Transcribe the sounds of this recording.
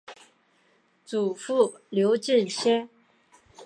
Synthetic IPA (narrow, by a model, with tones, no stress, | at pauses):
t͡su˨˩fu˥˩ljo˧˥ʊt͡ɕi˥˩nɕjɛ˥n